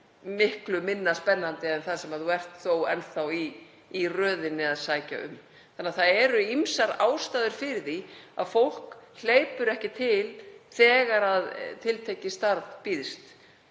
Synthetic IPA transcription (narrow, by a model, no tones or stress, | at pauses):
mɪhklʏmɪnːaspɛnːant̪ɪɛnθaðsɛmaðuɛr̥t̪θowɛnθawiː | rœːðɪnːɪaðsaːjca̰ʏ̰m | θanːaθaðɛɾʏimsaɾaːwst̪aːðʏɾ̥fɪɾɪðθia̰ðfowl̥kl̥eːjpʏɾɛhcɪt̪ʰɪlθɛːɣaɾaðt̪ʰɪlt̪ʰejcɪst̪aɾðpiːðst̪